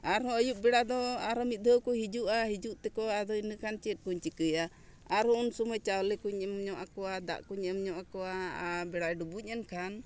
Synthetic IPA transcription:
aɾɔ̃əjup̚bɛɽad̪ɔaɾɔmit̪̚d̪ʱəkɔɦid͡ʒuʔaɦid͡ʒuʔt̪ɛkɔad̪ɔinəkant͡ʃɛt̪̚kuɲt͡ʃikəja | aɾhɔunsɔməjt͡ʃawlɛkuɲɛmɲɔʔakɔad̪a̰ʔkuɲəmɲɔʔakɔabɛɽaɛɖubuɲɛnkʰan

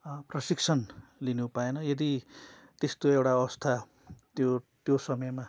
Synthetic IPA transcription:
prʌsiksʰʌnlinupaenʌjʌd̪i | t̪est̪oewʈaʌwʌst̪ʰa | t̪jot̪josʌmʌjma

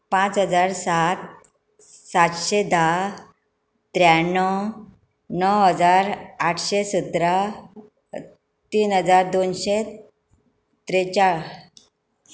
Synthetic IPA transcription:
pãt͡sɦəd͡zaɾsat̪̚ | sat̪ɕed̪a | t̪ɾjanɔ | nɔwɦəd͡zaɾaʈʰɕesut̪ɾa | t̪iːnɦəd͡zaɾd̪onɕe | t̪ɾet͡ɕaɭ

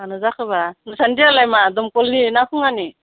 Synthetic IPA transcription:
anɯzakʰɯβanɯsʰandialajmadɔmkɔlninakʰɯŋani

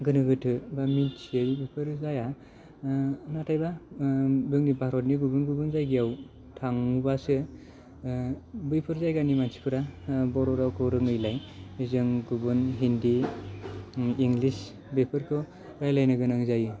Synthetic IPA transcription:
ɡɯnɯɡɯtʰɯbamint͡ʃʰiejbɯjpʰɯɾzaja | natʰajba | bɯŋnibʱaɾɔtniɡubɯnɡubɯnzajɡijaw | tʰaŋubasɯ | bɯjpʰɯɾzajɡanimansi̥pʰɯɾabɔɾɔɾawkʰɯwɾɯŋɯjlajizɯŋɡubɯnɦindi | iŋɡlis | bepʰɯɾkʰɯ | ɾajlajnɯɡɯnaŋzajɯ

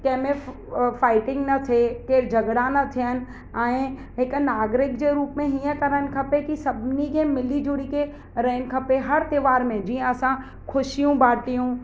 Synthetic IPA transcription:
k̪ɐ̃ɦmẽ | faːɪʈɪ̃ŋɡnɐt̪ʰekeːɾd͡ʒʱɐɡɽanɐt̪ʰijənɪ̆ | ãː | ɦɪknaːɡɾɪk̚d͡ʑeɾuːpmẽɦiə̃kɐɾənɪ̆kʰɐpekisɐbʱnikʰemɪlid͡ʒʊɽike | ɾɐɦn̆kʰɐpeɦɐɾt̪ɪʋaːɾmẽd͡ʑiːə̃ɐsã | kʰʊʃijũbaːʈijũː

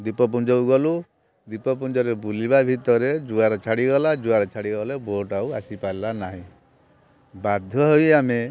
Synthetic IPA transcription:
d̪ipɔp̬und͡ʒɔuɡɔlu | d̪ipɔp̬und͡ʒɔɾebuliβabʱit̪ɔɾed͡ʒuaɾɔt͡ʃʰaɽiɡɔlad͡ʒuaɾɔt͡ʃʰaɽiɡɔleboʈauasipajlanaɦĩ | bad̪ʱjɔɦojame

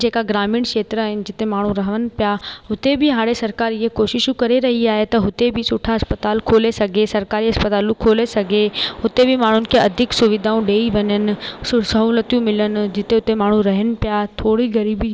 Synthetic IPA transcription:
d͡ʒeːkaɡɾaːmɪːɳkeːt̪ɾəɦɪnɪ̆d͡ʒɪt̪emaːɳ̤ũɾɐɦəʋənɪ̆pjaɦʊt̪ebʱiɦaːɽesɐɾkaːɾɪɦekoːʃɪʃkɐɾeɾɐɦiaːɦet̪ɐɦʊt̪ebʱisʊʈʰaɐspət̪aːlkʰoːlesɐɡʱesɐɾkaːɾiɦɐspət̪aːlũkʰoːlesɐɡʱeɦʊt̪ebʱimaːɳ̤ʊnɪ̆kʰeɐd̪ʱɪksʊʋɪd̪ʱaːũɖeːiʋɐɲənɪ̆sʊsɐɦuːlət̪jũmɪlənɪ̆d͡ʒɪt̪ẽɦʊt̪emaːɳ̤ũɾɐɦənɪ̆pjat̪ʰoːɽiɡɐɾiːbi

